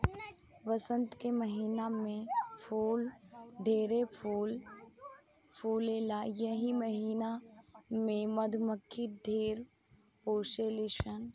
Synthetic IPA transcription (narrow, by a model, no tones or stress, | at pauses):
ʋəsə̃nt̪keməɦiːnamẽpʰoːlɖʱeːɾepul | pʰuːlelajəɦiməɦiːnamẽməd̪ʱməkʰːid̪ʱeːɾ | poːʃeliʃən